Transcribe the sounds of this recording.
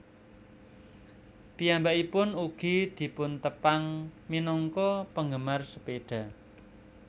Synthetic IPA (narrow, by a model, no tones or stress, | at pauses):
pijambaʔipʊnuɡ̥i̤d̪̥i̤pʊnt̪əpaŋminɔŋkɔpəŋɡəmarsəpeɖ̥a̤